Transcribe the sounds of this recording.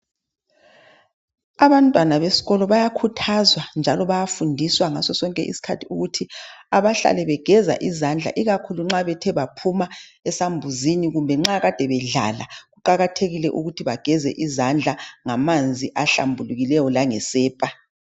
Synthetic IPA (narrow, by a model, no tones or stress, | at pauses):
aβantʼwanaβesi̥ɣɔlɔβajakʰutʰazwand͡ʒʱalɔβajafundʱiswaŋasɔsɔŋkʼɛ̰ʔḭsi̥kʰatʰiuɣutʰiaβaɬa̰lɛβɛɡ̥ʱɛza̰ʔizand͡ɮʱa̰ʔiɣakʰuluŋ͡ǁaβɛtʰɛβapʰumaɛsambʱuziniɣumbʱɛŋ͡ǁaɣad̥ʱɛβɛɮa̰laɣuǃaɣatʰeɣilɛʔuɣutʰiβaɡ̥ʱɛzɛ̰ʔizand͡ɮʱaŋamand͡zʱiʔaɬa̰mbʱuluɣilɛjɔlaŋɛsɛːpʼa